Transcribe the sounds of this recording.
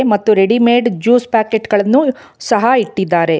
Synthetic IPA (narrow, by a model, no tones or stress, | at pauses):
mɐt̪ːuɾeɽimeːɖd͡ʒuːspaːkeʈɡɐɭɐnːu | sɐɦaiʈːid̪ːaːɾe̞